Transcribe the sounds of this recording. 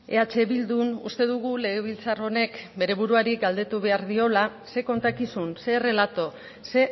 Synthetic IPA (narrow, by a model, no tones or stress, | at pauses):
e̞at͡ʃe̞βild̪unṵst̪e̞ðuɣule̞ɣ̞e̞β̞ilt͡saro̞ne̞kbe̞ɾe̞βuɾuaɾiɡald̪e̞t̪uβe̞aɾðio̞lase̞ko̞nt̪akisunse̞re̞lat̪o̞ | se̞